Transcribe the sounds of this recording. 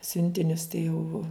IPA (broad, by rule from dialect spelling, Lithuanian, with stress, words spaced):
ˈsʲʊnʲtʲɪnʲʊs tɐɪ jɛʊ